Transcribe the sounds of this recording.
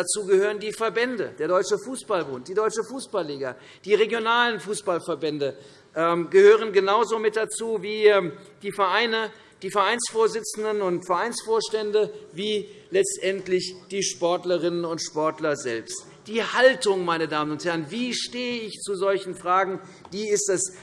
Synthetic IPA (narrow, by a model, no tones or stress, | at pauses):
d̥at͡suːɡəhøːʁəndiːfɛɐbɛndə̰d̥eːɐɾɔʏt͡ʃəfuːsb̥albʊnt̚d̥iːdɔʏt͡ʃəfuːsb̥alːiːɡɐ | d̥iːʁeɡjonaːlənfuːsb̥alfɛɐbɛndə | ʔɛmɡəhøːʁ̞ənɡənaʊzoːmɪt̚d̥at͡suːviːɛmd̥iːfɛɐʔaɪnə | d̥iːfɛɐʔaɪnsfoːɐzɪt͡sn̩dənʊntfɛɐʔaɪnsfoːɐʃtɛndəviːlɛt͡stʔɛntlɪçd̥iːʃpɔɐtləʁɪnənʊntʃpɔɐtlɐzɛlpst | d̥iːhaltʊŋmaɪnədaːmənʊnthɛɐənviːʃteːəɪçt͡suzɔlçn̩fʁ̥aːɡŋ̩ | d̥iːɪstdɛs